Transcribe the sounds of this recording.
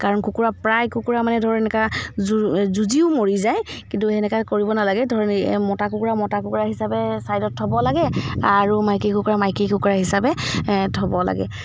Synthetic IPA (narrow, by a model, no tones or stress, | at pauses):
kaɹɔnkukuɹapɹajkukuɹamanɛdʱɔɹɛnɛka | zuziʊmoɹizajkintuɛnɛkakoɹibɔnalaɡɛdʱɔɹɛnmɔtakukuɹamɔtakukuɹaɦisabɛsajdɔtʰːɔbɔlaɡɛaɹumajkikukuɹamajkikukuɹaɦisabɛtʰɔbɔla̰ɡɛ̰